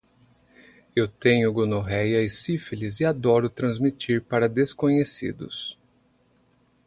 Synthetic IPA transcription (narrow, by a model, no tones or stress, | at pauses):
ewt̪ẽɲʊɡonoɦɛjɐɪsifilizɪad̪ɔɾʊt̪ɾɐ̃zmit͡ʃiɾpaɾɐd̪eskõɲesḭd̪ʊ̰s